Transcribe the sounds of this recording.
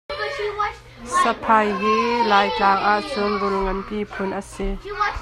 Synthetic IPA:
sɐpʰajɦilaːjklaːŋʔaʔt͡sʊnbulŋɐnpipʰʊnʔɐsi

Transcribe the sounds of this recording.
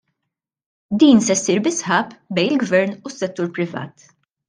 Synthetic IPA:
d̪iːnsɛsːiːɾbɪsħɐːpbɛjnɪlɡvɛɾnusːɛt̪ːuːɾpɾɪvɐ̰ːt̪

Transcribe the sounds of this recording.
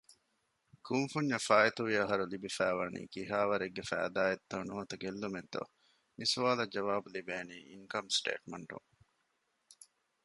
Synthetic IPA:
kumfuɲːɐfaːet̪uʋiɐɦɐɾulibifæːʋɐnḭːkiɦaːʋɐɾeɡːefæ̰ːd̪aːet̪ːɐnuːɐt̪ɐɡelːument̪o̰ | misuʋaːlɐd͡ʒɐʋaːbulibeːniːḭŋkɐmsʈḛːʈmɐɳʈṵŋ

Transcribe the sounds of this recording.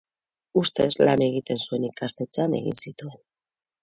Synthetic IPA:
ust̪e̞zlane̞ɣ̞it̪e̞nsue̞nikast̪et͡sane̞̰ɣḭnsit̪ue̞n

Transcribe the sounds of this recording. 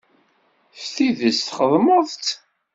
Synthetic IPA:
fθiðəsθχəðˤməðˤt͡s̪

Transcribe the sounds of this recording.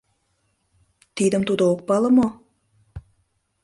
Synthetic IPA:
t̪ijd̪əmt̪ud̪ooq̚bɑlˠəmo

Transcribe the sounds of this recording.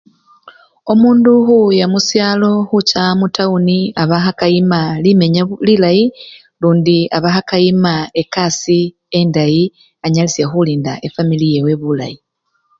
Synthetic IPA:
o̞muːnduxujamusjaːlo̞xucamutʰauniaβaxakajimalime̞ɲalilaji | luːndiaβaxakajimae̞kasi | e̞ndaji | aɲalisjaxuliːndaʔe̞familijewe̞βula̰ji

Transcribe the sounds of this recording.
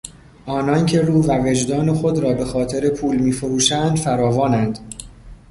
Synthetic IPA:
ʔɒːnɒːncʰe̞ɾuːvæve̞d͡ʒd̪ɒːne̞xod̪ɾɒːbe̞xɒːt̪ʰe̞ɾe̞pʰuːlmiːfoɾuːʃænd̪fæɾɒːvɒːnænd̪̥

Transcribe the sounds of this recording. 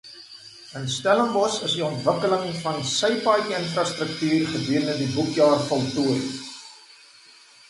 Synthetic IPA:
ənstæləmbɔsəsdiɔntvəkələŋfɐnsəjpɑːjənfrɑstrək̚tyːrχədiəɾəndədibukjɑːrfɐlˠtuəɾ

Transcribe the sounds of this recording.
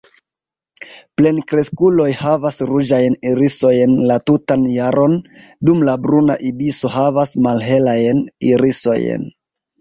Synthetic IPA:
ple̞nkɾe̞skulo̞jhavasɾud͡ʒajniɾiso̞jnlatutanjaɾo̞n | dumlabɾuna̰ʔibiso̞havasmalɦe̞lajniɾiso̞̰j̰n

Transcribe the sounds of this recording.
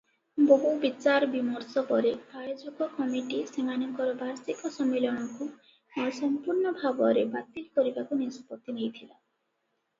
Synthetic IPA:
boɦubit͡ʃaɾɔbimɔɾsɔpɔɾepaɭed͡ʒɔɡɔkɔmiʈisemanɔŋkɔɾɔbʱaɾsikɔsɔmelɔɽ̃ɔku | mɔsɔmpuɾɳɔbʱabɔɾebat̪ilkɔɾibakunisɔ̥pɔt̪ːinejt̪ʰila

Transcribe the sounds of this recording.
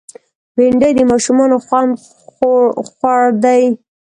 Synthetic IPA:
beɳɖəjd̪əmɑʃumɑnoxwɑm | xwɑɽd̪aj

